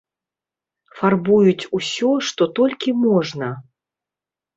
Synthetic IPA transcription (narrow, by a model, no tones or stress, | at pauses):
farbujut͡sʲusʲɔʂt̪ɔt̪ɔlʲkʲimɔʐnɐ